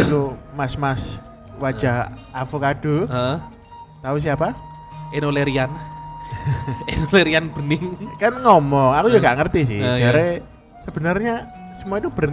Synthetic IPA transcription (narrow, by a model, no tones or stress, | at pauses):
t̪umasmas | wḁd͡ʒʒ̥a̤ɦafukad̥u | t̪aus̬ɪapa | enoleɾian | enoleɾianb̥ənɪŋkanŋɔmɔŋakud͡ʒaɡaʔŋərt̪is̬ɪhd͡ʒaɾe | səb̥ə̤nərɲa | səmuait̪ub̥ən